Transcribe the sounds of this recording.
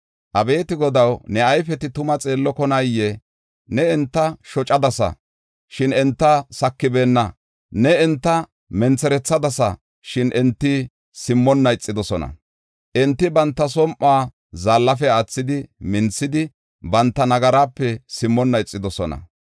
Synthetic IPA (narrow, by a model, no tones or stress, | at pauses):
ʔɐbe̞ːt̪ɪɡɔd̪ɐwnɛɐjfɛt̪ɪt̪ʊmɐt͡sʼe̞ːlːɔkɔnɐjːɛ | nɛɛnt̪ːɐʃɔt͡ʃʼːɐd̪ɐsɐ̰ | ʃɪnɛnt̪ːɐsɐkːɪbe̞ːnːɐ | nɛɛnt̪ːɐ | mɛnt͡sɛɾɛt͡sːɐd̪ɐsɐ̰ | ʃɪnʔɛnt̪ːɪ | sɪmːɔnːɐɪt͡sʼːɪd̪ɔsɔnɐ̰ | ʔɛnt̪ːɪbɐnt̪ːɐs̬ɔmʔaː | zaːlːɐfɛat͡sːɪd̪ɪmɪnt͡sːɪd̪ɪ | bɐnt̪ːɐnɐɡɐɾaːpːɛsɪmːɔnːɐɪt͡sʼːɪd̪ɔsɔnɐ̰